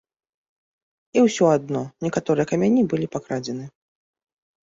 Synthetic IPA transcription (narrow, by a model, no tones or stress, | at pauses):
iwsʲɔad̪̚nɔnʲɛkat̪ɔɾɨjɛkɐmʲanʲibɨlʲipakɾad͡zʲɛnɨ